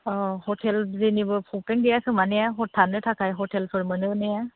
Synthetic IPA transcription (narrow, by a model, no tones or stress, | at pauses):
ɔhɔtʰɛlzenibɯpʰɔk̚teŋɡejasɯŋmanejaɦɔtʰːanɯtʰakʰajɦɔtʰelpʰɯɾmɯnɯɯneja